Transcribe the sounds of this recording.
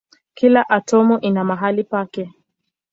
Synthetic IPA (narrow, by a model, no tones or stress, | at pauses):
kilaʔatɔmuʔinamaɦalipakɛ